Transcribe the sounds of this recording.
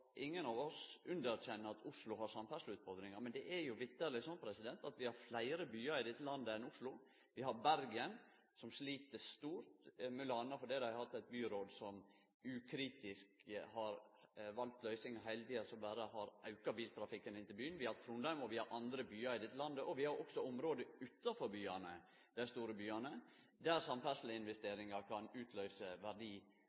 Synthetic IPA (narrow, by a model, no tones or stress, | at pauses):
ʔɪŋːənɑʋɔsʔʉnd̪əɾc͡çɛnːəɑt̪ʰʊʂlʊɦɑɾsɑmfæslʉːt̪fɔɾd̪ɾɪŋɑɾmɛnd̪ɛʔæɾjʊʋɪt̪ːəɾlɪsɔnːpʰɾɛsɪd̪ɛnt̪ɑt̪ʋɪhɑɾflæɪɾəbyːɑɾɪd̪ɛt̪ːəlɑnd̪əɛnʊslʊ | ʋɪhɑɾbæɾɡɪən | sɔmsliːt̪əst̪uːɾt̪mʉlɑːnɑfɔɖ̪ɛɪd̪æhɑt̪ːæɪt̪̚byːɾoːd̪sɔm | ʉkʰɾiːt̪ɪskhɑɾʋɑlt̪lœʏsɪŋɑɦæɪlt̪iːəsɔmbæːɾəhɑɾʔɑʉkɑbiːlt̪ʰɾɑfɪkːənɪnt̪ɪlbyːənʋɪhɑɾt̪ʰɾuːnd̪ɑʉmɔʋɪhɑɾʔɑnd̪ɾəbyːɑɾɪd̪ɛt̪ːəlɑnd̪əʔɔʋɪhɑɾʔɔksɔɔmɾoːd̪əʉt̪ːɑfɔɾbyːɑnə | d̪̥æɪst̪uːɾəbyːɑnə | d̪æɾsɑmfæslɪəɪnʋɛst̪eːɾɪŋɑɾkʰɑnʉːt̪ʰlœʏsəʋæɖiː